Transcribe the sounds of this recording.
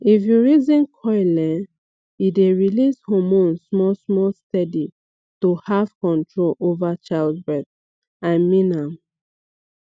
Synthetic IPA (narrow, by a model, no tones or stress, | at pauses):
ifjuɹizĩnkʰɔɪlɛ̃n | ideɹilishomõnsmɔsmɔlstɛdi | tohav̥kɔ̃ntɹolovat͡ʃaɪldbɹɛθ | aɪmĩnãm